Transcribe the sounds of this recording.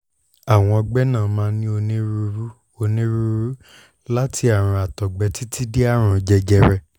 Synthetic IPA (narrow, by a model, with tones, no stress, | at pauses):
a˨w̃ɔ̃˧ɔ˧ɡ͡bɛ˦nãː˦˨˦mãː˧˦nĩ˦o˧nĩ˦ɾu˧ɾu˦ | o˧nĩ˦ɾu˧ɾu˦ | la˦tʰi˧a˦˨ɾ̃ã˧a˨tɔ˨ɡ͡bɛ˨˦ti˦ti˦de˦a˦˨ɾ̃ã˧d͡ʒɛ˧d͡ʒɛ˧ɾɛ˧